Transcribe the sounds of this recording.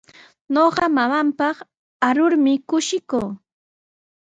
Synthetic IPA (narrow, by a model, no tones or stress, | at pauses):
noɢɑmamampɑχ | aɾʊɾmɪkʊʃɪkuː